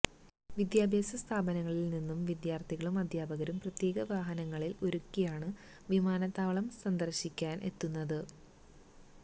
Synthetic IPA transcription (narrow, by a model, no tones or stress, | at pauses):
ʋid̪jaːbʱeːsɐst̪ʰaːbɐnɐŋːɐɭilninːumʋid̪jaːrt̪ʰiɣɐɭumɐd̪ʱjaːbɐɣɐɾumprɐt̪je̞ːɡɐʋaːɦɐnɐŋːɐɭilo̞ɾukːijaːɳɨ | ʋimaːnɐt̪ːaːʋɭɐmsɐnd̪ɐrɕikʲːaːnʔe̞̰t̪ːunːɐðɨ